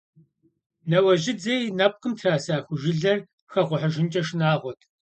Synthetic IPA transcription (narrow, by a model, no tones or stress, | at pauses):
nɐwɐʒɪd͡zejnɐp̚qəmtʰaːsaːxʷʊʒɪɮɐr | xɐʁʷʊħəʒɪnt͡ʃʼɐʃnaːʁʷɔtʰ